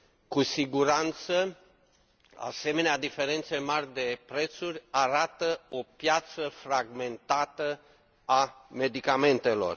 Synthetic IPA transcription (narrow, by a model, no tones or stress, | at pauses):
kusiɡuɾant̪sə | a̰se̞me̞nead̪ife̞ɾe̞nt̪se̞marʲd̪e̞pɾe̞t̪surʲaɾat̪əo̞pjat̪səfɾaɡme̞nt̪at̪ə | ame̞d̪ikame̞nt̪e̞lo̞̰r